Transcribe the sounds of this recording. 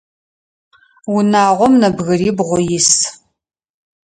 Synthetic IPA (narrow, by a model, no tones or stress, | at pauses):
wʊnaːʁʷɔmnɐbɣɐɾiːbʁʷɔjɪs